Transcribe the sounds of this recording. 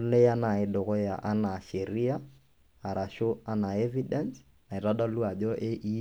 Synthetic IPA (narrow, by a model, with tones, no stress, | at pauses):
lɛ˦ja˦na˨ɪ˨ɗɔ˨kɔ˦ja̰˨ʔa˦na˨ʃɛ˨ɾi˦a˦ | a˨ɾa˨ʃo˦a˦na˨ɛ˦vi˦dɛns | na˨ɪ˨ɾa˦ɗa˦lu˦a˨d͡ʒɔ˦ʔe˦ʔi˦